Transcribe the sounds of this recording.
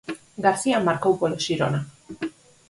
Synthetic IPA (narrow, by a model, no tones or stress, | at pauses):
ɡaɾsiamːaɾkawkoloʃiɾona